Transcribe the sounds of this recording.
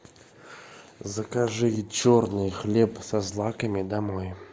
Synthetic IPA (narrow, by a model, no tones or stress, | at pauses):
zəkaʐɨjt͡ɕɔrnɨjxlʲɛpsazlˠakɐmʲid̪amɔj